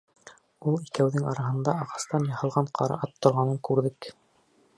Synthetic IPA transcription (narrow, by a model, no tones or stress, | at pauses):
ulˠikæwðɘŋɑɾɑɦɤ̆nd̪ɑɑʁɑst̪ɑnjɑhɤ̆lˠʁɑɴqʰɑɾɑ̰ʔɑt̪ʰːŏɾʁɑnɤŋkʉɾðɘk